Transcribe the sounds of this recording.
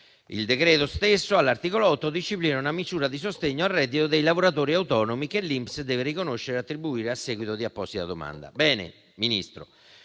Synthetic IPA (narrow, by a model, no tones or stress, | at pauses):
ḭld̪ekɾɛːt̪ost̪esːoalːart̪iːkoloɔt̪ːod̪it͡ʃːiplinaunamisuːɾad̪isost̪eɲːoarːɛd̪ːit̪od̪ejlavoɾat̪oːɾiawt̪ɔːnomikelːimpsd̪ɛːverikonoʃːeɾeat̪ːɾibuiːɾeasːɛɡwit̪od̪iapːɔst̪id̪a̰d̪oma̰nd̪a̰bɛːnḛ | minḭst̪ɾo̰